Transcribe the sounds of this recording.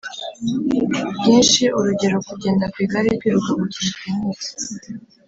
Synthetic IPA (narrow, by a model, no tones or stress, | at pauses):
bjiːnʃiʔuɾuɟe̞ɾo̞kuɟeːndakwiːɡaɾikiɾuɡaɡuciʃikimezi̥